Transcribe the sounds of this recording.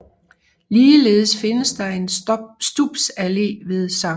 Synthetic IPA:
liːle̝ːð̞̩ˠəsfe̝nəsd̥ɑ̈e̝nsd̥ub̥sæle̝̰ːʋe̝ðˠsɑ̈

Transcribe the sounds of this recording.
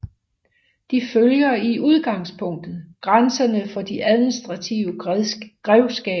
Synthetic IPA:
d̥iføljɐiʔuð̞ˠɡ̥ɑ̈ŋspʰɔ̽ŋ̰d̥ð̩ˠɡ̥ʁansɐnəfɒ̽d̥iʔæð̞ˠminisd̥ʁɑ̈t͡sʰiʊəɡ̥ʁɛʊsɡ̥ɛ̰ː

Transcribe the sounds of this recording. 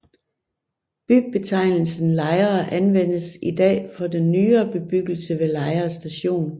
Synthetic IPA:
b̥y̥b̥e̝t͡sʰɑ̈ɪ̰nl̩sn̩lɑ̈ɪɐːʔænʋen̰əsid̥ɛ̰ːfɒ̽d̥enːyːɐːb̥e̝b̥yɡ̥l̩səʋe̝lɑ̈ɪɐsd̥æɕo̝̰ːn

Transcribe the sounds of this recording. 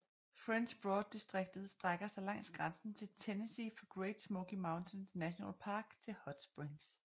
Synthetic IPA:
fʁenɕb̥ʁɔːd̥̚ːisd̥ʁeɡ̥̚d̥ð̞̩ˠsd̥ʁaɡ̥ɐsɑ̈ɪlɑ̈ŋ̰sɡ̥ʁansn̩t͡sʰe̝lt͡sʰenesifɒ̽ɡ̥ʁeɪd̥smoɡ̥imɑ̈ʊnt͡sʰensnæɕonɛ̰ːlpʰɑ̈ːɡ̥t͡sʰe̝lhɒd̥sb̥ʁiŋs

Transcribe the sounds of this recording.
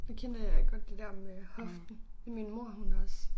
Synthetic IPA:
d̥e̝kʰen̰d̥əjaɡɡ̥ɒ̽d̥ːe̝d̥ɛɐmehɒ̽fd̥n̩eminmo̝ɐ̰hunɒ̽s

